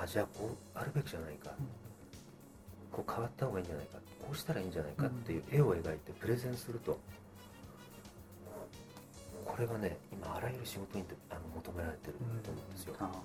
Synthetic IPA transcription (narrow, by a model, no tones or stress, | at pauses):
ad͡ʑaːko̞ː | aɾɯ̟be̞kʲiʑanaika | kʰo̞ːkʰaβat̪ːahoɡaiːɲd͡ʑana̰ikat̪ːkʰo̞ːɕi̥t̪aɾaĩːɲd͡ʑanaikat̪ːe̞jɯ̟ːʔe̞o̞e̞ɡait̪e̞pɯ̟ɾe̞zẽ̞ɰ̃sɨɾɯ̟t̪o̞ | kʰo̞ɾe̞ɡane̞imaːɾajɯ̟ɾɯ̟ɕiɡo̞t̪o̞ɲ̟it̪eano̞mo̞t̪o̞me̞ɾaɾe̞t̪e̞ɾɯ̟t̪ːo̞ːmoɯ̃nd̪e̞sɨjo̞